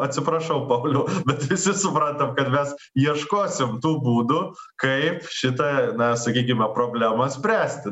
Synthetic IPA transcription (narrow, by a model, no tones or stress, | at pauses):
ɐt̪ʲsʲɪpɾɐʃɐʊpɐʊlʲɛʊːbʲɛt̪ʋʲɪsʲɪsʊpɾɐnt̪ɐmkɐt̪mʲɛs | iɛʃkoːsʲɪmt̪uːbuːd̪ʊ | kɐɪpʃʲɪt̪ɐnɐsɐkʲiːk̬ʲɪmʲɛpɾoːbʲlʲæmɐsʲpʲɾʲæːsʲt̪ʲɪ